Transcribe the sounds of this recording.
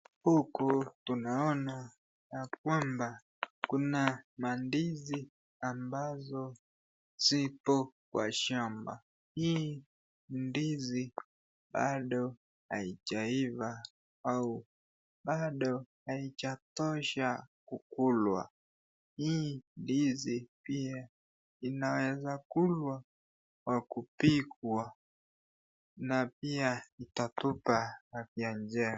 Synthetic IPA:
hukutunaɔna | jak̚wamba | kunamandizi | ambazɔ | z̥ipɔkwa̰ʃamba̰ | hiː | ndizi | ɓaɗɔ | ha̰it͡ʃaiva | au | ɓaɗɔhait͡ʃatɔʃakukulwa̰ | hiːndizipia | inawɛzakulwa | kwakupikwa | napiaitatupahafiand͡ʒɛɾa

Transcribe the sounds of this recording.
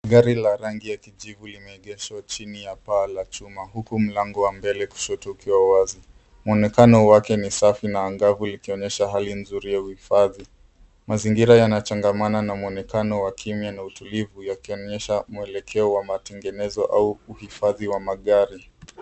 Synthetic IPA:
ɠaɾilaɾaŋɡijakiʄivulimɛːɠɛʃwat͡ʃinijapaːlat͡ʃumaɦukum̩laŋɡɔwambɛlɛku̥ʃɔtuukiwawazi | mɔnɛkanɔwakɛnisafinaːŋɡavulikiɔɲɛʃaɦalinzuɾijauhifaði | maziŋɡiɾajanat͡ʃaŋɡamananamuɔnɛkanɔwakʰimjanautulivujakiɔɲɛʃamuɛlɛkʰɛɔwamatɛŋɡɛnɛzɔʔauːhifaðiwamaɠaɾi

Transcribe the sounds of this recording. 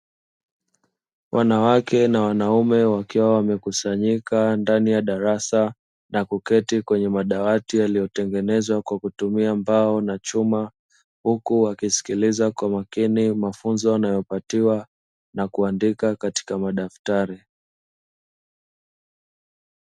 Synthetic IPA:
wʔanawakɛnawanaumɛwakiwawamɛkusaɲikandanijaɗaɾasa | nakukɛtikwɛɲɛmaɗawatijalijɔtɛŋɡɛnɛzwakwakutumiambaɔnat͡ʃuma | hukuwakisi̥kilizakwamakinimafunzɔanajɔpatiwa | nakuandikakati̥kamaɗaftaɾi

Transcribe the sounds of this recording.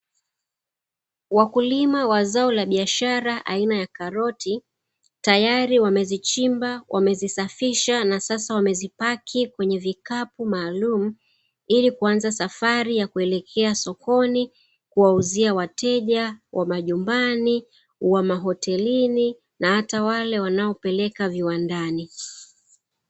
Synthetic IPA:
wakulimawazaɔlaɓiaʃaɾaʔa̰inajakaɾɔtʰi | tajaɾiwamɛzit͡ʃimbawʔamɛzisafiʃanasasawamɛzipakʰikwɛɲɛvikapumaːlum̩ | ilikuanzasafaɾijakuɛlɛkʰɛasɔkɔni | kuwauziawatɛʄawʔamaʄumbani | uwamaɦɔtɛlini | nahatawalɛwanaɔpɛlɛkaviwandani

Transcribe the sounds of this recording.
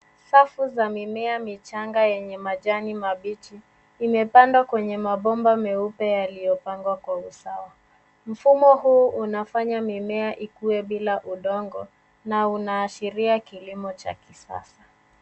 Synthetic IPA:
safuzamimɛamit͡ʃaŋɡajɛɲɛmaʄanimaɓit͡ʃiː | mɛpandwakwɛɲɛmaɓɔmbamɛupɛjalijɔpaŋɡwakwausawa | m̩fumɔɦuːʔunafaɲamimɛaʔikuwɛɓilaʔuɗɔŋɡɔ̰ | naunaːʃiɾiakilimɔt͡ʃa̰kisa̰sḁ

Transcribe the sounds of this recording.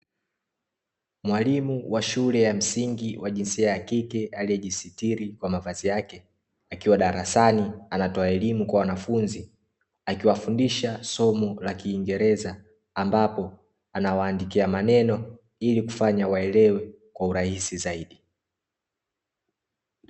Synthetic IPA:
mwalimuwʔaʃulɛjam̩siŋɡiwʔaʄinsiajakikɛaliɛʄisitiɾikwamavazijakɛ | akiwaɗaɾasanianatɔaɛlimukwawanafunzi | akiwafundiʃasɔmɔlakiːŋɡɛɾɛzaː | mbapɔ | anawaːndikiamanɛnɔ | iliku̥faɲawaɛlɛwɛ | kwauɾahisizaiɗi

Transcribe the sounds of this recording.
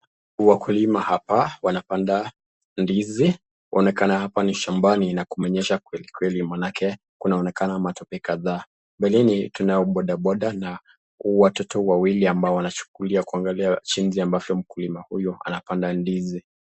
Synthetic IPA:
wakulimahapawanapanda | ndizi | ʔɔnɛkanahapaniʃambaninakumɛɲɛʃakwɛlikwɛlimanakʰɛ | kunaɔnɛkanamatɔpɛkaðaː | mbɛlinitunaɔɓɔɗaɓɔɗana | watɔtɔwawiliambaɔwanat͡ʃu̥kuliakuaŋɡaliat͡ʃinziambavjɔm̩kulimahujɔa̰napandandizi

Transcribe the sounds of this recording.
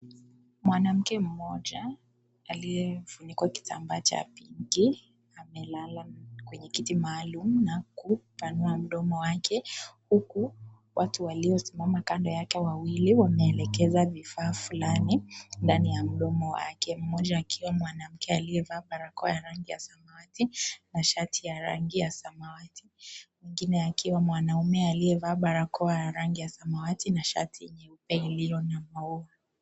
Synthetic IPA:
mwanam̩kɛm̩mɔʄaː | lijɛvunikwaki̥tʰa̰mbaːt͡ʃa̰piŋɡi | amɛlalakwɛɲɛkitimaːlumunakupanuam̩ɗɔmɔwakʰɛhuku | wʔatuwaliɔsimamakandɔjakɛwawiliwamɛːlɛkɛzavifaːfulanindanijam̩ɗɔmɔwa̰akɛm̩mɔʄaːkʰiwamwanam̩kʰɛaliɛvaːɓaɾakɔajaɾaŋɡija̰samawatinaʃatʰijaɾa̰ŋɡijasamawatʰimwiŋɡinɛakiwamwanaumɛaliɛvaɓaɾakʰɔajaɾaŋɡijasamawatinaʃa̰tʰiɛɲɛupɛilijɔnamaua

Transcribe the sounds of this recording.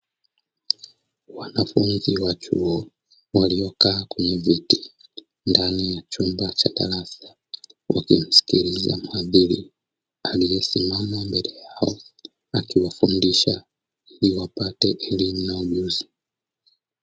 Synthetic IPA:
wanafunziwat͡ʃṵɔ | waliɔkaːkwɛɲɛviti | ndanijat͡ʃumbat͡ʃada̰ɾasḁ | wʔa̰kim̩si̥kiɾiza̰maðiɾḭ | alijɛsimamambɛlɛjaɔ | akiwafundiʃa | iliwapatɛʔɛlimunauʄuzi

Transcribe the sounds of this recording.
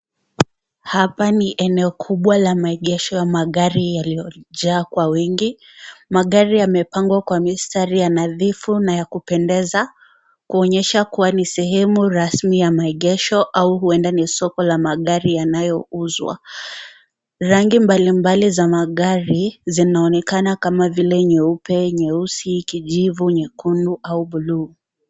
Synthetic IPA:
hapaniʔɛnɛɔkʰuɓwalamaɛɠɛʃɔjamaɠaɾijalijɔʄaːkwawiŋɡi | maɠaɾijamɛpaŋɡwakwamistaɾijanaðifunajakupɛndɛza | kuɔɲɛʃakuwanisɛɦɛmuɾasmijamaɛɠɛʃɔʔauhuɛndanisɔkɔlamaɠaɾijanajɔuzwa̰ | ɾaŋɡimbalimbalizamaɠaɾizinaɔnɛkanakamavilɛɲɛupɛɲɛusiːkiʄivuɲɛkunduʔauɓuluː

